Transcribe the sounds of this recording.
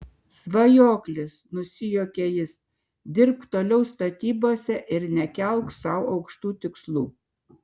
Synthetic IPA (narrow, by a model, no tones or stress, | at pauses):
sʋɐjoːklʲɪsnʊsʲɪjoːkʲeːjɪs | d̪ʲɪɾpt̪oːlʲɛʊst̪ɐt̪ʲiːboːsʲɛʔɪɾnʲɛkʲɛlˠksɐʊɒʊkʃt̪uːt̪ʲɪkslˠuː